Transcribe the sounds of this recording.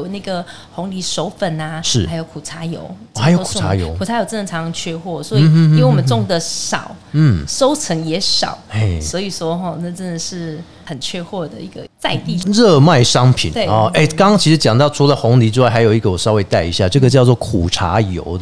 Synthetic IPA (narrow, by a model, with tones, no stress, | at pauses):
o˨ʊna˥˩ɡə˩ | xʊ˧˥ŋli˧˥ʂo˥ʊfə˨˩nɐ˩ʂɻ̩˥˩a˧ɪjo˧˩ʊkʰu˨˩ʈ͡ʂʰa˧˥jo̰˧˥ʊ | ha˧˥ɪjo˧˥u˨˧˩a̰˧˥jo˧˦u˨˩a˧˥jo˧˥ʊʈ͡ʂɤ˥˩nʈ͡ʂʰɑ˧˥ŋt͡ɕʰɥɛ˥xwɔ˥˩swɔ˧˥i˥i˧˥we˥˩wɔ˨˩mə˦nʈ͡ʂʊ˥˩ŋd̪ə˨ʂɑ˨˩˦ʊn̩˥˩ʂo˥ʊt͡sʰə˧˥ŋjɛ˧˥ʂɑ̰˨˩˦ʊe˥˩ɪswɔ˧˥i˨˩ʂwɔ˥xɔ˥˧na˥˩ʈ͡ʂə˥nd̪ə˨ʂɻ̩˥˩ | xə˨˩nt͡ɕʰɥɛ˥˧xwɔ˥˩d̪ə˩i˧˥ɡə̰˧t͡sa˥˧ɪt̪i˥˧ɻɤ˥˧ma˥˩ɪʂɑ˦ŋpʰḭ˨˩ne˥˩ɔ˥˩e˥˩ɪkɑ˥ŋɑ˥ŋt͡ɕʰi˧˥ʂɻ̩˧˥t͡ɕjɑ˨˩ŋt̪ɑ˥˩ʊʈ͡ʂʰu˧˥lə˨xʊ˧˥ŋli˧˥t͡ɕjwa˥˩xa˧˥jo˨˩ʊi˧ɡə˧˩wɔ˨˩ʂɑ˥ʊwe˥˧ɪt̪a˥˩ɪḭ˧˥ɕja˥˧ʈ͡ʂɤ˥˩ɡə˩t͡ɕjɑ˥˧ʊt͡swɔ˥˩kʰṵ˨˩ʈ͡ʂʰa̰˧˥jo̰˧˥ʊ